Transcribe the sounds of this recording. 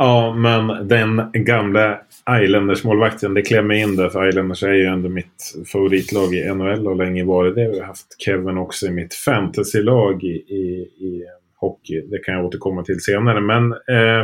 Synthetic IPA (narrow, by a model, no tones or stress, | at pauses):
ɑːmɛnd̪ɛnɡamla | ʔajlɛnd̪əʂmoːlvakt̪ʰənd̪ɛkʰlɛmːəɪnːd̪æɾfœɾajlɛnd̪əʂæɾjɵɛnd̪əmɪt̪favʊɾiːt̪ʰlɑːɡɪʔɛnɔɛlːɔlɛŋːəvɑːɾəd̪ɛhaɾjhaft̪kʰɛvːənɔksɔɪmɪt̪fænt̪ʰasɪlɑːɡɪɪː | hɔkːɪd̪ɛkʰanjaoːt̪əɾkʰɔmːat̪ʰɪlseːnaɾəmɛn